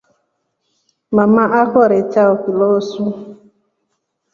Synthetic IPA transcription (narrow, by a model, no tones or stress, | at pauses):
mamaʔaɦɔɾet͡ʃaokilɔsu